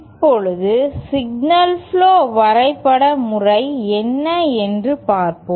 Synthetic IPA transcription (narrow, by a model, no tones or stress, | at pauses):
ɪpːɔɻɯðɯsɪɡ̚nɐlfɭoːʋɐɾɐɪpːɐɽɐmʊrɐɪɛnːɐɛndrɯpaːɾpoː